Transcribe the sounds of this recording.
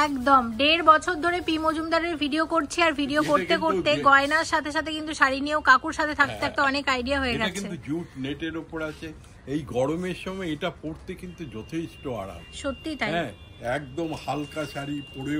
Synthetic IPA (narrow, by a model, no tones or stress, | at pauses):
ɛkd̪omɖeɾbɔt͡ɕʰoɾd̪ʱoɾepimod͡ʑumd̪aɾeɾbʱiɖiokoɾt͡ɕʰiaɾbʱiɖiokot̪ekoɾt̪eɡɔenaɾʃat̪ʰeʃ̬at̪ʰekint̪uʃaɾinieokakuɾʃat̪ʰet̪ʰak̚t̪et̪ʰɛk̚t̪eɔnekajɖiaɦoeɡɛkt͡ɕiet̪ud͡ʑuʈneʈeɾopoɾat͡ɕʰe | ejɡɔɽomeɾʃɔmɔeeʈapoɾt̪ekint̪ud͡ʑɔt̪ʰeʃʈoa̰ɽa̰ʃot̪ːit̪ajɛ̃ | ɛk̚d̪omhalkaʃaɾipoɽe